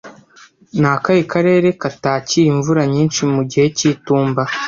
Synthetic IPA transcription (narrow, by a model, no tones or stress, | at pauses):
naːkajikaɾe̞ːɾe̞kataːcijiɱvuɾaɲiːnʃimuɟihe̞ciːtuːmba